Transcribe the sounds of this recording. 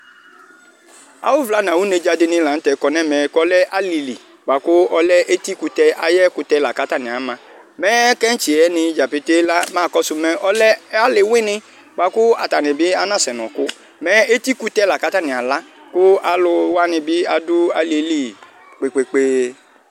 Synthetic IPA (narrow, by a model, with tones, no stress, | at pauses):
a̰˨wʊ˦vla˨˦n˨ã˨wu˨˦ne˨˧d͡ʒa˧de˧nĩ˧la˨n̩˦tɛ˨˦kɔ˨nɛ˦mɛ˨kɔ˦lɛ˦ʔa˦li˧li˨ | ɡ͡ba˨kʊ˦ɔ˦lɛ˦ʔe˦t̪i˦ku˧t̪ɛ˧ʔa˨jɛ˦kʊ˧t̪ɛ˧˦la˨ka˨˦ta˦˨nĩ˨a˨˦mã˧ | mɛ˦kɛ˦n̩˦t͡ʃi˨ɛ˨˦nɪ̃˧˦d͡ʒa˨pe˦te˦la˦mãː˦˨kɔ˦sʊ˧mɛ˧ɔ˦lɛ˦a˦le˨wi˦nɪ̃˧ | ɡ͡ba˨kʊ˦a˧ta˨nɪ̃˨bɪ˦a˦nã˦˨sɛ˨nɔ̃˨kʊ˦ | mɛ˨˦e˦ti˦ku˦t̪ɛ˦la˨ka˦ta˦˨nĩ˨a˨la˦ | kʊ˦a˨lʊ˧wa˦nɪ̃˧bɪ˦a˧dʊ˦a˦li˨˦li˦˨ | k͡pe˨k͡pe˨k͡pe˦